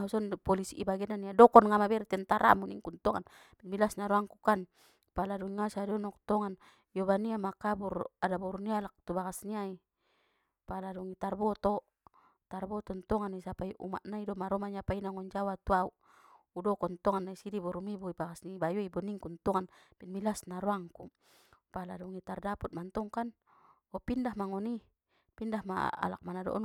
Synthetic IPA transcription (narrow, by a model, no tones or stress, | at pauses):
ɦusɔnpɔlisiʔibaɡɛnaniadɔkɔnŋamabɛɾit̪ɛnt̪aɾa̰muniŋkunt̪ɔŋan | milasnaɾɔaŋkukan | paladɔiŋasadɔnɔk̚t̪ɔŋan | jɔbaniamakaburadabɔɾunialak̚t̪ubakasniai | paladɔŋit̪arbɔt̪ɔ | t̪arbɔt̪ɔnt̪ɔŋanisapaiʔṵma̰ʔnaidɔmaɾɔmaɲapainaŋɔɲd͡ʒawat̪uauʔ | udɔkɔnt̪ɔŋanːaisidibɔɾumibuibaɡasniibajɔibɔniŋkunt̪ɔŋanpinmilasnaɾɔaŋku | paladɔŋit̪ardaput̪̚mant̪ɔŋkan | ɔpindahmaŋɔni | pindahma̰a̰lak̚manadɔ̰ʔɔ̰n